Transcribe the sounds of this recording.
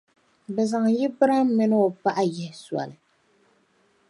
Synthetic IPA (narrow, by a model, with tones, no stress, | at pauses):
bɛ˨za˨ŋ˨jɪ˦bɨ˦ɾa˦mː˦ɨ˦nɨ˦o˨pa˦ʔa˦jɪ˦hɪ˦swa̰˨lɨ˨